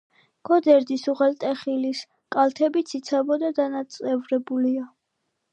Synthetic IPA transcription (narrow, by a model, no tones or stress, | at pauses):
ɡ̥ɔd̪ɛɾd̪isuʁɛlt̪ʼɛχilis | kʼalt̪ʰɛbit̪sʰit̪sʰabɔd̪ad̪anat̪sʼɛvɾɛbulia